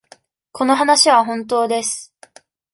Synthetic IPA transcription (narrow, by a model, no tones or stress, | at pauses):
kʰo̞no̞ɦanaɕiβaɦõ̞nt̪̬o̞ːd̪e̞sɨ̥